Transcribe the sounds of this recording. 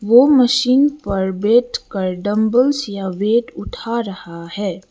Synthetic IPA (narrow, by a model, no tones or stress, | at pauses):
ʋoːməʃiːnpɐɾbeːʈkəɾɖɐ̃mbəlsjaʋeːʈʊʈʰaɾɐhaɦɛː